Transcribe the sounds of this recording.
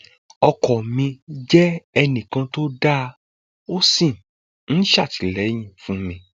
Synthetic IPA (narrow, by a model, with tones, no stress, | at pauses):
ɔ˧kɔ˨mĩ˧d͡ʒɛ˦ɛ˧nĩ˨kã˧to˦da˦˧ | o˦sĩ˦˨m | n̩˦ʃa˦˨ti˨lɛ˨˦j̃ĩ˦˨fũ˨˦mĩ˧